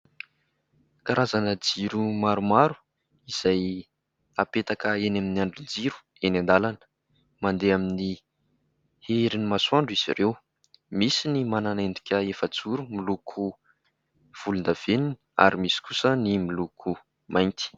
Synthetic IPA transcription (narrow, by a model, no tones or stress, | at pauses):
kaɾazanəd͡ziɾumaɾumaɾu̥ | iz̥aj | apet̪akəenaminiaɳɖ͡ʐund͡ziɾu̥ | enand̪alanə̥ | mand̪eamini | heɾinimasuaɳɖ͡ʐiz̥ḭɾew | misinimananend̪ikʲəefəd͡zuɾumilukʰu | v̥ulund̪av̥eninia̰ɾimisi̥kusənimilukʰu | majnt̪i̥